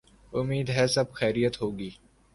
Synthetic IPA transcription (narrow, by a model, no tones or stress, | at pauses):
ʊmiːd̪ɦɛsɐbxɛːɾijət̪ɦoːɡiː